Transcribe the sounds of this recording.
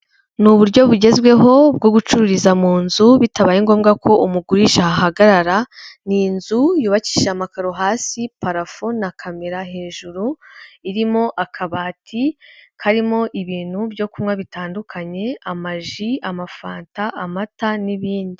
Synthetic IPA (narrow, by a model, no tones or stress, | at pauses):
nuβuɾɟo̞βuɟe̞zɡwe̞ɦo̞bɡoɡut͡ʃuɾuɾizamuːnzuβitaβajiŋɡo̞ːmɡako̞umuɡuɾiʃahaɦaɡaɾaɾaninzujuːβaci̥ʃamakaɾoɦaːsipaɾafo̞nakʰameɾaɦe̞ːʒuɾuiɾimo̞ʔakʰaβaːtʰihaɾimo̞ʔiβiːn̥hubjo̞kumŋwaβitaːndukʰaɲe̞amaʒiamafaːntaʔamataniβiːndi